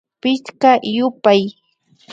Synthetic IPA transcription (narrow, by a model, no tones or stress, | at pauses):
pɪʃkajʊpaj